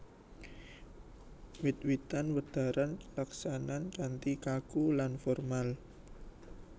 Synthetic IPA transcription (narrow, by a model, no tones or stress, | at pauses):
wɪt̪̚wit̪anwəd̪̥a̤ɾanlaksanankant̪ikakulanfɔrmal